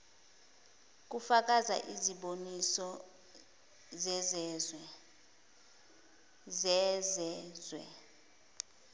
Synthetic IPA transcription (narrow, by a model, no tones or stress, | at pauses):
k̬ufak̬aza̰ʔiziɓonisɔ | zɛzɛzwɛ | zɛzɛzwɛ̰